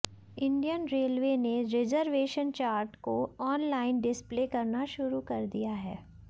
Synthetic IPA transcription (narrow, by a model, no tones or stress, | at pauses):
ɪ̃ɳɖijənɾeːlʋeneɾɪd͡ʒəɾʋeːʃənt͡ʃaːɾʈkoɔːnlaːɪnɖɪspleːkɐɾnaʃʊɾukɐɾd̪ijaɦɛː